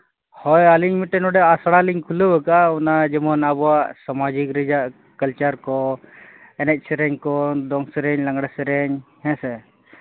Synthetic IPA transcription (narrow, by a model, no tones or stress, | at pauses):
hɔjaliɲmiʈɛnɔɖɛasɽaliɲkʰuləbəkaɔnad͡ʒɛmɔnabɔwaʔsamad͡ʒikɾid͡ʒaʔ | kəlt͡ʃaɾkɔ | ɛnɛc̚sɛɾɛɲkɔd̪ɔŋsɛɾɛɲlaŋɽasɛɾɛɲhɛ̃sɛ